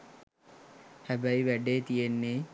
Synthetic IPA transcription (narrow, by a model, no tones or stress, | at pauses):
hæbæiʋæɖeːt̪ijenːeː